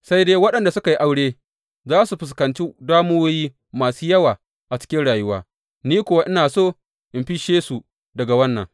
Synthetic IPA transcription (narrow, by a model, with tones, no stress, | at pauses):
sa˦jdeː˦wɐ˦ɗɐ˨nda˨sʊ˦ka˨ji˦ʔa˨wɽeː˦ | zaː˦su˨ɸɪ˨s̬kɐ˨nt͡ʃi˦daː˦mu˦wjiː˦ | maː˨suː˦jɐ˦waː˨ | ʔa˨t͡ʃɪ̥˦kʲɪ˦nɽaː˨jʊ˦wa̰ː˦ | niː˦kʷʊ˦wa˦ʔɪ˦naː˨soː˦˨ | ʔɪ˨mɸi˦ʃeː˦su˨ | dɐ˨ɡa˨wɐ˦nːɐ̰˨ŋ